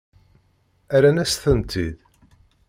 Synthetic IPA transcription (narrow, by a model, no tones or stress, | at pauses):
æɾænæsθənt̪ʰið